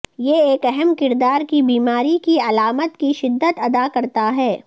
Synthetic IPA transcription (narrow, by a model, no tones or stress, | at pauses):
jeeːkɛɦɛmkɪɾd̪aːɾkibiːmaːɾikiɐlaːmət̪kiʃɪd̪ːət̪ɐd̪akɐɾt̪aɦɛː